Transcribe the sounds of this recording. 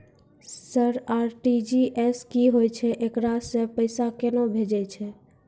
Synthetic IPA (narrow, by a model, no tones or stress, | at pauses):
səɾaɾʈid͡ʒiʔeskiɦojt͡ʃʰɛʔekɽasẽpəɪsakenobʱed͡ʒɛt͡ʃʰɛ